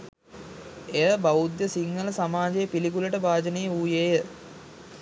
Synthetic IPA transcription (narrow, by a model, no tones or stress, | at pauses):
ejəbaud̪jəsiŋːələsamaːd͡ʒejəpilikuləʈəbaːd͡ʒənejəuːjeːjə